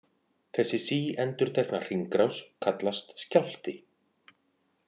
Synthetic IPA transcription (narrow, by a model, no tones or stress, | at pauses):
θɛsːɪsiːɛnt̪ʏɾ̥t̪ʰɛknar̥iŋkɾawskʰat̪last̪scawl̥t̪ɪ